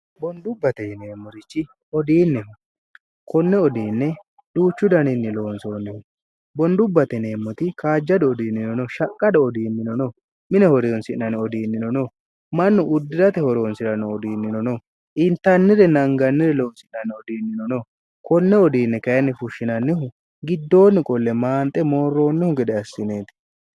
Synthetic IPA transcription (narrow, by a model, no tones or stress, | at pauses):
bɔnd̪ʊbːɐt̪ɛne̞ːmːɔɾɪt͡ʃːɪ | ɔd̪iːnːɛh | kɔnːɛɔd̪iːnːɛ | d̪̥uːt͡ʃːʊd̪ɐnɪnːɪlo̞ːnsoːnːɛhɔ | bɔnd̪ʊbːɐt̪ɛne̞ːmːɔt̪ɪkaːd͡ʒːɐd̪ɔɔd̪iːnːɪnɔnɔʃɐkʼːɐd̪ɔɔd̪iːnːɪnɔnɔ | mɪnɛhɔɾɛjɔnsɪnːɐnɛɔd̪iːnːɪnɔnɔ | mɐnːɔʔʊd̪ːɪɾɐt̪ɛhɔɾoːnsɪɾɐnɔːd̪iːnːɪnɔnɔ | ʔɪnt̪ːɐnːɪɾɛnɐŋɡɐnːɪɾɛloːnsɪnɐnɪɔd̪iːnːɪnɔnɔ | kɔnːɛɔd̪iːnːɛkɐjɐnːɪfʊʃːɪnɐnːɪɦʊ | ɡɪd̪ːo̞ːnːɪkʼɔlːɛmaːnt̪ʼːɛmo̞ːrːo̞ːnːɪhʊɡɛd̪ɛɐsːɪneːt̪ɪ̥